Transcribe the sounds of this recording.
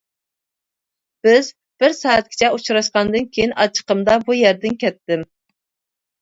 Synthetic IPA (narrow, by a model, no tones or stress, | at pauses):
b̥ɪz | b̥ɪɾsɑːæt̪̚kʲi̥t͡ʃʰɛut͡ʃɾɑʃqɑnd̪ɨnkʲʰejinɑt͡ʃʰə̥qəmd̪ɑbujæɾd̪ɪnkʲʰɛt̪ːɪm